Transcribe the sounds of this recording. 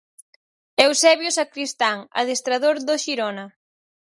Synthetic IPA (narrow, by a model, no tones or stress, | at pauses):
ɛwsɛβjʊsakɾist̪aŋa̰ðest̪ɾaðoɾðoʃiɾɔna